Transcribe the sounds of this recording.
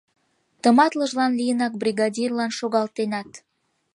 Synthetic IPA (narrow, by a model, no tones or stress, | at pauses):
t̪əmɑt̪ləʒlɑnlijənɑk̚brʲiɣɑdʲirlɑnʃoɣɑlt̪enɑt̪